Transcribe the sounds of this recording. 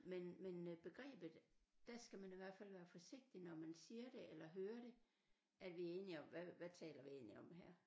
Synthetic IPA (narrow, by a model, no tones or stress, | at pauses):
menmenb̥e̝ɡ̥ʁɛ̰ːb̥ð̩ˠd̥æsɡ̥æmæniʋæɐ̰d̥fæl̰ʋæːɐfɒ̽se̝ɡ̥̚d̥inɒmænsiːɐɾ̥e̝ʔelɐɦøːɐɾ̥e̝ | ʔæd̥ʋiæɐe̝ːniɒ̽mʋæʋæt͡sʰɛ̰ːlɐʋie̝ːnliɒ̽mɦæɐ̰